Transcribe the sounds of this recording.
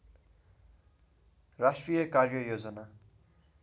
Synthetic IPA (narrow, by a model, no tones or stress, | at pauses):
rasʈrijʌkarjʌjod͡zʌna